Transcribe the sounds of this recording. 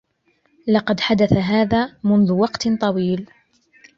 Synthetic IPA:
lɑqɑd̪ħad̪aθaɦaːðaːmʊnðʊwɑqt̪t̪ˤɑwiːl

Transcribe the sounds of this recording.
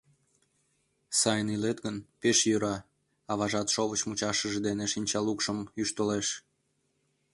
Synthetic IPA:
sɑjənilet̪ɣənpeʃjøɾɑ | ɑβɑʒɑt̪ʃoβət͡ɕmut͡ɕɑʃəʒed̪eneʃinʲt͡ɕɑlukʃəmyʃt̪oleʃ

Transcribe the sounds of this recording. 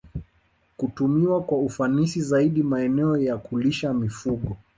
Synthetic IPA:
kutumiwakwaufanisizaiɗimaɛnɛɔjakuliʃamifuɠɔ

